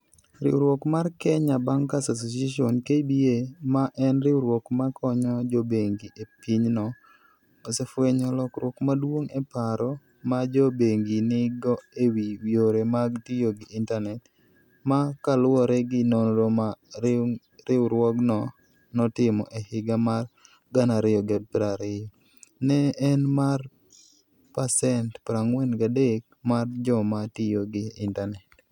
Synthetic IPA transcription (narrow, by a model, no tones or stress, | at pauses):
ɾɪ̰wɾwɔkmarkɛɲabaŋkasas̬osjaʃɔnkebiemaʔɛnɾɪwɾwɔkmakʰɔɲɔd͡ʒɔbeŋɡiʔepiɲnɔ | osefweɲɔlɔkɾwɔkmadwoŋepaɾɔ | mad͡ʒɔbeŋɡinɪɡɔewiwioɾemaɡtijoɡɪʔɪntanɛt | makalʊwɔɾɛɡɪnonɾoma | ɾɪwɾwɔɡnɔ | nɔtɪmɔʔehɪɡamar | ɡanaɾɪjɔɡɪɔd̚pɾaɾɪjɔ | nɛːnmar | pasɛntpɾaŋwɛnɡadek̚ | mard͡ʒɔmatɪjoɡɪɪntanɛt